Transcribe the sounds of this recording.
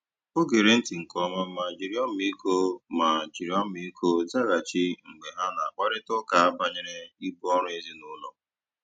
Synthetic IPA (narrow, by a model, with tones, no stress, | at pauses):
o˦ɡe˨ɾe˨n̩˦ti˨ŋ̩˨kɔ˨˦ma˦ma˨d͡ʒi˨ɾi˦ɔ˦m̩˦i˦ko˦ma˨d͡ʒi˨ɾi˨ɔ˦m̩˦i˦kʰo˦za˦ɣa˨t͡ʃɪ˦ŋ͡m̩˨ɡ͡be˨ɦa˦na˨k͡pa˦ɾɪ˦tɔ˦ka˨a˦ba˦ɲe˦ɾe˦i˦bu˦ɔ˦ɾʊ˦e˦zi˦nʊ˦lɔ˦